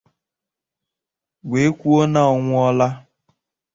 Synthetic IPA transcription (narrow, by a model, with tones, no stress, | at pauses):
ɡʷe˨e˦kʷu˦o˦na˦ɔ˨ŋʷʊ˦ɔ˦la˦